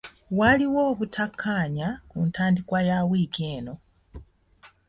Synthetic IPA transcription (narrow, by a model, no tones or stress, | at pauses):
waliwoːβutʰakʰːaːɲakuntaːndikwajawiːɡeːno̞